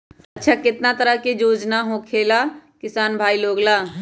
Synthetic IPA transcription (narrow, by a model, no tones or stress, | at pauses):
ɐtːʃʰakɪt̪nat̪əɾəɦked͡ʒoːd͡ʒnaɦõkʰeːlaːkɪsaːnbʱaːiloːɡlaː